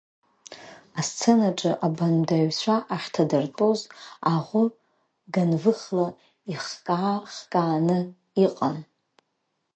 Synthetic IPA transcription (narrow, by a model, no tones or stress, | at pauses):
ast͡sʰenaʈ͡ʂʼɨʔabandaʕɥt͡sʷʰaʔaχʲtʰadartʼozaʁʷʊ | ɡanvɨχla | iχkʼaːχkʼaːnɨ | iqʼan